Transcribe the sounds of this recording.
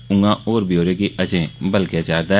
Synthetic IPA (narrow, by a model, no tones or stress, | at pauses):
ʊ̃ŋɡãːoːɾbjoːɾẽkiʔəd͡ʒẽbəlkjat͡ʃaːɾd̪a